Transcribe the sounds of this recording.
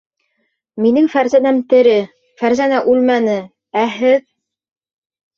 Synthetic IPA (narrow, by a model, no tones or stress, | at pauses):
minɘŋfæɾzænæmt̪ɘ̆ɾɘ | fæɾzænæʔʉlmænɘ | æɦɘð